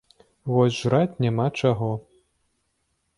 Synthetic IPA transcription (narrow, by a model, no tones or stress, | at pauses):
vɔsʲʐɾat͡sʲnʲamat͡ʂaɣɔ